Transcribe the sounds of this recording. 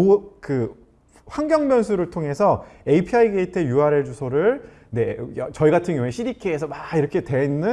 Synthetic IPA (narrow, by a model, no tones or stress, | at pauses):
okɯ | ɸwaŋɡjʌŋbjʌnsʰuɾɯɭtʰoŋɦe̞sʰʌe̞ipʰiaiɡetʰejuaɾe̞ɭd͡ʑusʰoɾɯɭ | ne̞jʌt͡ɕʌiɡatʰɯnɡjʌŋueɕʰiɾikʰeːs̬ʰʌmaiɾʌkʰe̞twe̞inːɯ